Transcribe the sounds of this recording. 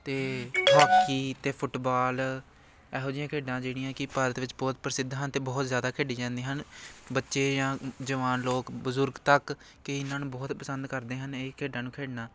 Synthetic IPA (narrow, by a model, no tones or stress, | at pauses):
t̪eːbaːkiːt̪eːpʰʊʈbaːl | ɛːɦoːd͡ʒɪjãːkʰeːɖãːd͡ʒeːɽ̃ijãːkɪpaːɾət̪ʋɪt͡ʃbɔːt̪̚pəɾəsɪd̪ɦənt̪eːbɔːt̪zjaːd̪aːkʰeːɖiːd͡ʒãːnd̪iːɦənbətːʃeːjãːd͡ʒəʋaːnloːkbəzʊɾɡt̪ək | kɪɪnãːnũːbɔːt̪pəsənd̪kəɾd̪eːɦəneːkʰeːɖãːnũːkʰeːɖnaː